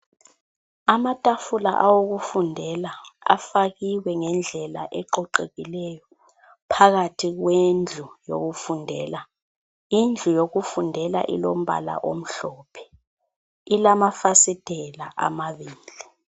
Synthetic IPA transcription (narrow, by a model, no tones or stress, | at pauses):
amatʼafula̰ʔawoɣufundʱɛlaa̰faɣiwɛŋɛnd͡ɮʱɛla̰ʔɛǃɔǃeɣilɛjɔ | pʰaɣatʰiɣwend͡ɮʱujo̰ɣufundʱɛːla | ind͡ɮʱujoɣufundʱɛla̰ʔḭlom̩βa̰la̰ʔo̰m̩ɬɔpʰɛ̥ | ilamafasid̥ʱɛlaʔa̰maβiːd͡ɮʱi